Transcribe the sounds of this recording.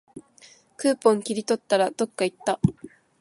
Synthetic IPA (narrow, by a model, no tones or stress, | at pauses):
kɯːpõ̞ŋkʲiɾʲit̪o̞t̪ːaɾad̪̥o̞kːait̪ːa